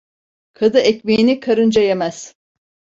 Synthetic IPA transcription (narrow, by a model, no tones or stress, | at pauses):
kʰad̪ɯɛcmejinikʰaɾɯnd͡ʒajemæz̥